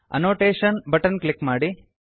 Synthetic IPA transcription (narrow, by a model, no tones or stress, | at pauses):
ɐ̰noːʈeːʃɐnbɐʈɐnklikmaːɽi